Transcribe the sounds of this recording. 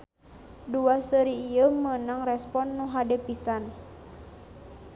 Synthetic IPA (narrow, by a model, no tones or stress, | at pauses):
duasəɾiːjəmənaŋrɛspɔnːuɦadɛpisan